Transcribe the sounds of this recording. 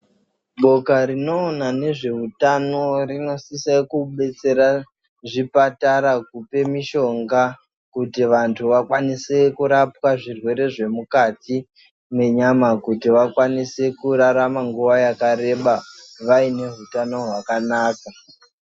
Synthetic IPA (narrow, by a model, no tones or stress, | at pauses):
ɓo̞kaɾino̞ːnane̞ʐe̞ɦutano̞rino̞sisekuɓe̞t͡se̞ɾa | ʐipataɾakupe̞miʃo̞ŋɡa | kutiʋantʰuʋakwanise̞kuɾapwaʐirwe̞ɾe̞ʐe̞mukati | me̞ɲamakutiʋakwanise̞kuɾaɾamaŋɡuʋajakaɾe̞ɓa | ʋaine̞ɦutano̞ɦwakanaːka